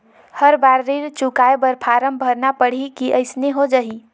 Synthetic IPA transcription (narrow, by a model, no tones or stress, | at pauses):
həɾbaɾːiɾt͡ʃukaebəɾpʰaɾəmbʱəɾnapəɽ̤ikiʔəɪsneɦod͡ʒəɦi